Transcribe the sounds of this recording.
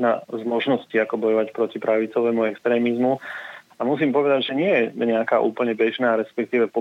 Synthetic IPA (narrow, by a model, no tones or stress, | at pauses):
na̰zmɔʒnɔsciːakɔbɔjɔʋacpɾɔcipɾaʋit͡sɔʋɛːmuɛkst̪ɾɛːmizmu | amus̬iːmpɔʋɛd̪aɟʒɛɲɪɛjɛɲɛakaːʔṵːpl̩ɲɛbɛʒnaːɾɛspɛk̚t̪iːʋɛpɔ